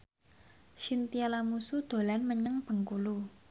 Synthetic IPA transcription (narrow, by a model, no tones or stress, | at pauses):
ʃint̪ialamusud̪̥o̤lanməɲəŋb̥ə̤ŋkulu